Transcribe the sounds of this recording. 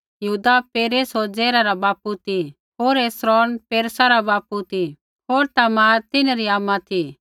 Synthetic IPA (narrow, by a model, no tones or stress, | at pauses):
jəɦuːd̪apeːɾeːsoːɾd͡zɛːɾaɾabaːput̪i | ɦoːɾeːsɾɔːnpeːɾsaɾabaːput̪ʰi | ɦoːɾt̪amat̪ɪnɾiaːmat̪ʰi